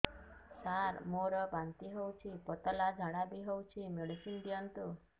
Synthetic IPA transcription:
saɾmoɾəbãnt̪iɦowt͡ʃʰipɔt̪əlad͡ʒʱaɽabiɦowt͡ʃʰimeɭisinɖijənt̪u

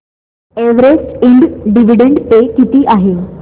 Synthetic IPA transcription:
eʋɾed͡ʑiɳɖɖiʋiɖeɳɖpekit̪iːʔaɦe

